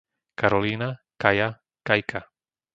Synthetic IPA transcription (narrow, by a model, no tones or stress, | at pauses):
kaɾɔliːna | kaja | kajkʰa